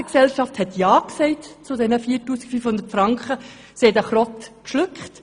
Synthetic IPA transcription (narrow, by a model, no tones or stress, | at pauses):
əksɛlʃɑfthɛtjɑːksɛɪtt͡sʊdɛnəfiːtuːsi̥ɡ̥fyːfhʊnd̪ətfrɑŋkχə | sidæχrɔtkʃlʏkχt